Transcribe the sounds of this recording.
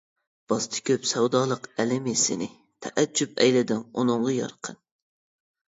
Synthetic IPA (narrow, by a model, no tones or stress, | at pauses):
b̥ɑst̪ʰɨ̥kʲʰøpsɛwd̪ɑːlˠəqɛlɪmisɪnɪ | t̪ʰɛʔæd͡ʒːupɛjlɪd̪ɪnunʊŋʁɑjɑ̰ɾqʰən